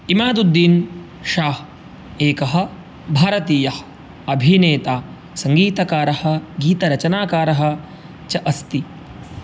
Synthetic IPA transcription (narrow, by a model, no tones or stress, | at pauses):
imaːd̪ud̪ːiːn | ʃaːh | eːkɐɦɐ̆ | bʱaːɾɐt̪iːjɐh | ɐbʱineːt̪aː | sɐŋɡiːt̪ɐkaːɾɐhɐ̆ɡiːt̪ɐɾɐt͡ʃɐnaːkaːɾɐɦɐ̆ | t͡ʃɐʔɐst̪i